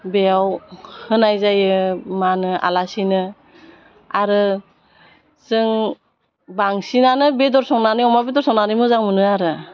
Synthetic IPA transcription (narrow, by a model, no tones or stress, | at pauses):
bejawhɯnajzajɯmanɯʔa̰lasinɯ | aɾɯ | zɯŋ | baŋsinanɯbedɔɾsɔŋnaniɔmabedɔɾsɔŋnanimɯzaŋmɯnɯaɾɯ